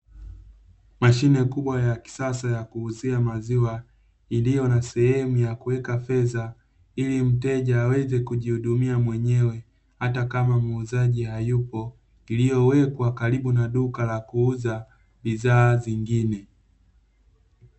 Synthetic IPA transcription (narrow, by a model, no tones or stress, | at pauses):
maʃinɛkuɓwajaki̥sasajakuuziamaziwa | ilijɔnasɛhɛmujakuwɛkafɛza | ilim̩tɛʄaːwɛzɛkuʄihuɗumiamwɛɲɛwɛ | hatakamamuzaʄihajupɔ | ilijɔwɛkwakaɾiɓunaɗukalakuuza | ɓiðaːziŋɡinɛ